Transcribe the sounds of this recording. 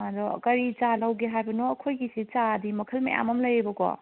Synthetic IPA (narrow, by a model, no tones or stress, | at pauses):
adɔ̰kɐɾit͡ʃalawɡeɦajbɐnoɐkʰojɡisit͡ʃadimɐkʰəlmɐ̰jʔa̰mɐmlɐjɾibɐkɔ̰